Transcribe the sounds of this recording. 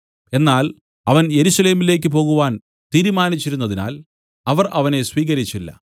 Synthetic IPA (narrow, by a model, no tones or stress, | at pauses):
e̞nːaːl | ɐʋɐnje̞ɾuɕɐle̞ːmile̞ːk̬ʲːɨp̬o̞ːɣuʋaːn | t̪iːɾumaːnit͡ɕːiɾunːɐðina̰ːl | ɐʋɐrʔɐʋɐne̞sʋiːɣɐɾit͡ɕːilːɐ̰